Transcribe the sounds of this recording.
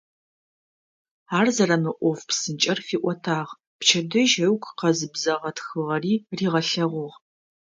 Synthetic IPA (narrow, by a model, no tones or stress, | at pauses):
aːrzɐrɐmɨʔʷɔfpsɨnt͡ʃʼɐrfiːʔʷɔtʰaːʁ | pt͡ʃʰɐdɐʒɐwkʷqɐzɨbzɐʁɐtxɨʁɐriːriːʁɐɬɐʁʷʊʁ